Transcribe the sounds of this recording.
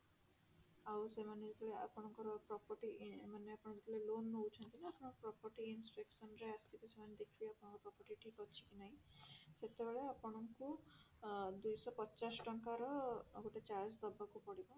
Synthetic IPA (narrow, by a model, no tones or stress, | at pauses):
awsemaned͡zikɔɭea̰pɔɽ̃ɔŋkɔɾpɾɔpɔʈimaneapɔɽɔd͡zikalelonːowt͡ʃʰʌnt̪inaapɔɽ̃ɔkprɔpɔɾʈiːnspeksʌnɾeast̪ipasemaned̪ekʰbiapɔɽ̃ɔŋkɔpɾɔpɔʈiʈipɔt͡ʃʰi̥kinaɦj̃set̪ebeɭeapɔɽ̃ɔŋku | d̪ujsɔpɔt͡ʃasʈɔŋkaɾɔɡuʈet͡ʃaɾsd̪ɔbːakupɔɽibɔ